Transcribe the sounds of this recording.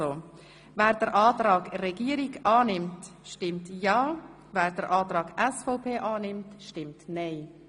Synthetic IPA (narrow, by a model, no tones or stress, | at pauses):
o | vɛːɾdəɾʔɑːtɾɑːɡrɛɡiəɾiɡɑːnɪmtʃtɪmtjɑː | vɛːɾdəɾʔɑːtɾɑːɡ̥ɛsfɔʊpʰeːʔɑːnɪmtʃtɪmtneɪ